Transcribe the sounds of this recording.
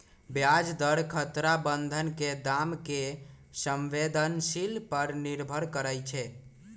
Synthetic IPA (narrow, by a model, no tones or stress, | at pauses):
bjad͡ʒd̪əɽkʰət̪ɾabənd̪ʱənked̪amke | səmʋed̪ənsilpəɾniɾbʱəɾkəɾəjt͡ʃʰɛ